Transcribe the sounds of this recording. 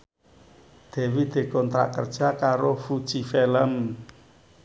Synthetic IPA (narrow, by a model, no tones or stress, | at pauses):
d̪̥ɛ̤wid̪̥e̤kɔnt̪ɾa̰ʔkərd̥ʒ̥akaɾofud̥ʒ̥ifeləm